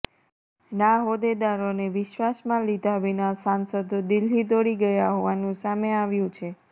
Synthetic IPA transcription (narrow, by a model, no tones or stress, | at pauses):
naɦod̪ed̪aɾoneʋɪʃʋasmãlid̪ʱaʋinasansəd̪d̪ilɦid̪oɽiɡəjaɦɔʋanũsameaʋjũt͡ʃʰe